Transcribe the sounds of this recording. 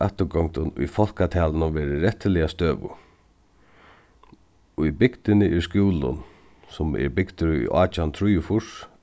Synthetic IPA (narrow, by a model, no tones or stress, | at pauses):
œht̪əɡɔŋt̪ʊnʊ̰jfɔl̥kat̪ʰɛːlənʊvɛːɾɪɾɛht̪ːɪlɪjast̪øːʋʊ̰ | ibɪkt̪ɪnɪʔɪskjuːlʊ̰n | sʊmɛ̰ɾbɪkt̪ʊɾʊ̰jʔaːt͡ʃant̪ʰɾʊjʊfʊʂ